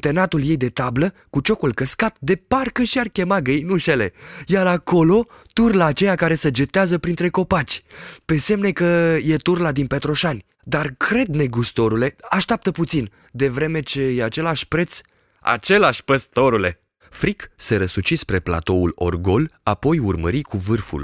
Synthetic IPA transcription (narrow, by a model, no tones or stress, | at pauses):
t̪e̞nat̪ulje̞jd̪e̞t̪abləkut͡ʃo̞kulkəskat̪d̪e̞parkəʃiarkʲe̞maɡɨjnuʃe̞le̞jaɾako̞lo̞ | t̪urlaːt͡ʃe̞jakaɾe̞səd͡ʒet̪eazəpɾint̪ɾe̞ko̞pat͡ʃʲpe̞se̞mne̞kəje̞t̪urlad̪inpe̞t̪ɾo̞ʃanʲ | d̪arkɾe̞d̪ne̞ɡust̪o̞ɾule̞aʃt̪ʲap̚t̪əput̪sin | d̪e̞vɾe̞me̞t͡ʃe̞jeat͡ʃe̞laʃʲpɾe̞t̪s | a̰t͡ʃe̞laʃʲpəst̪o̞ɾule̞̰ | fɾikseɾəsut͡ʃispɾe̞pla̰t̪o̞ulo̞̰rɡo̞lapo̞jurmə̰ɾikuvɨrfṵl